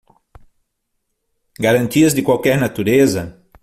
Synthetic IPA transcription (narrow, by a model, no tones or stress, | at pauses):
ɡaɾɐ̃nt̪iɐzd̪ɪkwawkɛɾnat̪uɾezɐ